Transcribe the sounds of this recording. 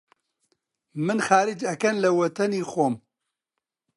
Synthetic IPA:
mɨnxaːɾɨd͡ʒɐkɐnlɐwɐt̪ʰɐniːxoːm

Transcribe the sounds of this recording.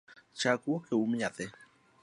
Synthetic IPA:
t͡ʃakuokʰeumĩat̪e

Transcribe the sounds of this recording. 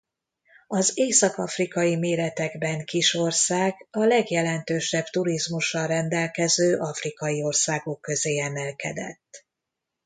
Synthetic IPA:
ɒzeːsɒkɒfrikɒjimeːɾɛt̪ɛɡbɛŋkiʃo̞rsaːɡɒlɛɡjɛlɛnt̪øːʃɛbt̪uɾizmuʃːɒrɛnd̪ɛlkɛzøːʔɒfrikɒjio̞rsaːɡo̞kːø̞zeːɛmɛlkɛd̪ɛ̰t̪ː

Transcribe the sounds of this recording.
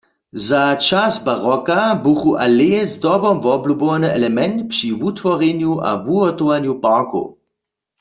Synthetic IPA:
zat͡ʃasbaʁɔkabuxuʔaleɛzdɔbɔmvɔblubowanəɛlɛmɛnt̪pʃivut̪ʋɔʁɛnjua̰vuɔt̪oʋanjupaːko̰

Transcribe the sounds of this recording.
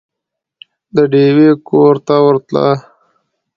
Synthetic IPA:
d̪əɖewekoɾt̪awəɾt̪la̰

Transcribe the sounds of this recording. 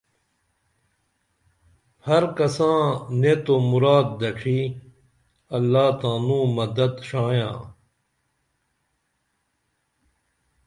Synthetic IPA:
hɐɾkɐsãːnẽːt̪omuɾaːd̪̚ːɐʈ͡ʂʰiː | ɐlːaːt̪ãːnũːmɐd̪ɐd̪ɕãːjã̰ː

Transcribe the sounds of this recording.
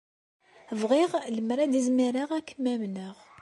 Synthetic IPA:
vʁiʁləmɾad̪izmiɾaʁækʰːəmːæmnəʁ

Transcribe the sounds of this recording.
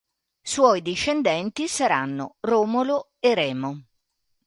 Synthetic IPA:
swɔjd̪iʃːend̪ɛnt̪isaɾanːo̰roːmolo | eɾɛːmo

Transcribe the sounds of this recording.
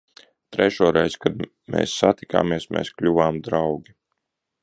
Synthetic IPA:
t̪ɾɛʃuːɾɛjzkad̪ | mḛːsːat̪ika̰ːmiɛsmɛ̰ːsklʲuvaːmd̪ɾawɡʲi

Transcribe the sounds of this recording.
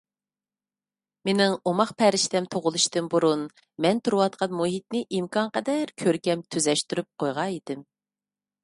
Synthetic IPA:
menɪŋomɑχpʰɛɾɪʃt̪ɛmt̪ʰoʁʊlˠuʃt̪ɨmbuɾun | mɛnt̪ʰuɾuwɑt̪̚qʰɑnmuɦit̪̚nɪʔimkʰɑŋqɛd̪ɛɾkʲʰøɾkʲɛmt̪ʰyzɛʃt̪yɾyp̚qʰojʁɑid̪̥ɪm

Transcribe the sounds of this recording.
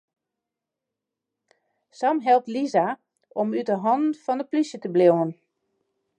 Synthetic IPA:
samɦɛlˠp̚tliza | ʔɔmytəɦɔndn̩fɔndəplisjətəblewən

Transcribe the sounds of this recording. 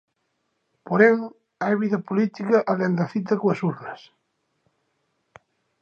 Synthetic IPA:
poɾeŋ | ajβiðɐpolit̪ikɐʔalend̪ɐθit̪ɐkoasuɾnɐs

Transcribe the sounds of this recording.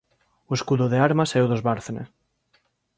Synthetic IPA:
oeskuðoðeaɾmasɛoðozβaɾθenḛ

